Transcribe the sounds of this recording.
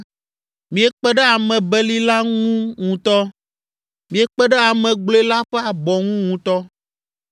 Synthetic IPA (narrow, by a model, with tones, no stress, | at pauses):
mĩ˨e˨k͡pɛ˦ɖɛ˦a˨mɛ̃˨bɛ˦li˦la˦ŋũ˦ŋũ˨t̪ɔ˦ | mĩ˨e˦k͡pɛ˦ɖɛ˦a˨mɛ̃˨ɡ͡blo˦e˦la˦ɸɛ˦a˨bɔ˨ŋũ˦ŋũ˨t̪ɔ˦